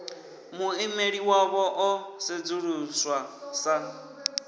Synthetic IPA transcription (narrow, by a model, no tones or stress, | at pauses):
muɪmeɺiwaβɔʔɔsɪd͡zuɺuswasa